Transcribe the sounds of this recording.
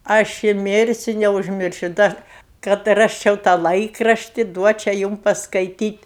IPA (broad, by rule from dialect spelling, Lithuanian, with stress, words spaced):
ˈɐʃ ɪ ˈmʲɪrʲsʲʊ nʲɛʊʒʲˈmʲɪrʲʃʲʊ ˈdɐr kɐt ˈrɑːsʲt͡ʃʲɛʊ tɑː ˈlˠɐɪkrɐʃʲtʲɪ ˈduɔt͡ʃʲɛ ˈjuːm pɐskɐɪˈtʲiːtʲ